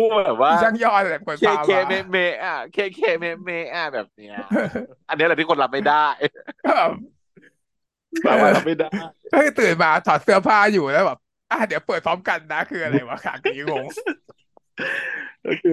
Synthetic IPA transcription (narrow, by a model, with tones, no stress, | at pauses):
uː˧˥˩bɛː˨˩p̚waː˥˧˩ja˥˩ŋjɔː˥˩˨ɛː˨˩kʰo˨˦na˧eː˧me˦˧˩meː˦˥ʔa˨˩kʰe˧kʰeː˧me˦˧˥me˦˥˩ʔa˧˩bɛː˨˩p̚ni˦˥ɐ˧ʔa˧nː˦˥lɛ˨˧˩iː˥˩ko˧nla˦˥m̚ma˥˩jda˥˩jkːbɛː˨˩p̚ | baː˨˩aː˧la˦˥m̚ːa˥˩jda˧˥˩jkɔː˥˩ɯ˧˩t̪ɯː˨˩nmaː˧t̪ʰɔː˨˩˦nsɯ˥˩ɐpʰaː˥˩juː˨˩lɛː˦˥wbɛː˨˩p̚ | ʔaː˧˩di˩˦ɐwpɤː˨˩t̪̚pʰɔː˦˥mka˧nːa˦˥kʰɯː˧ʔa˧ɾa˧jwaː˧˩kʰa̰ː˨˩k̚ːiː˨˦ŋo˧ŋ | kːkɯː˧